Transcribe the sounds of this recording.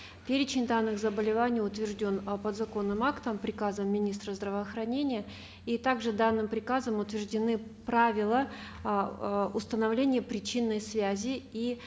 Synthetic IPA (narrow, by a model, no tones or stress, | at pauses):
pʲeɾʲɪt͡ɕɪnʲd̪anːɨxzəbəlʲɪvanʲɪjʊt̪vʲɪrʐdʲo̞npəd̪zɐko̞nːɨmakt̪əmpɾʲɪkazəmːʲɪnʲist̪ɾəzd̪ɾəvəːxɾɐnʲenʲɪjə | it̪aɡʐɨd̪anːɨmpɾʲɪkazəmʊt̪vʲɪʐdʲɪnɨpɾavʲɪlˠə | ʊst̪ənɐvlʲenʲɪjəpɾʲɪt͡ɕinːəjsvʲæzʲɪi